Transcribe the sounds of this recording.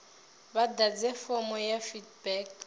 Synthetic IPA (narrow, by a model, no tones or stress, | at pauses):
βadad͡zɛfɔmɔjafidbɛk